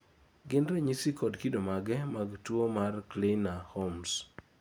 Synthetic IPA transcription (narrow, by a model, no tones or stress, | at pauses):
ɡɪndɾɛɲisikɔdkidomaɡɛmaɡtwomarklenahoms